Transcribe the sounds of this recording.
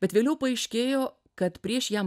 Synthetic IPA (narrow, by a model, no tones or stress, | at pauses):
bʲɛt̪ʋʲeːlʲɛʊpɐɐɪʃʲkʲeːjoː | kɐt̪pʲɾʲiɛʃjæːm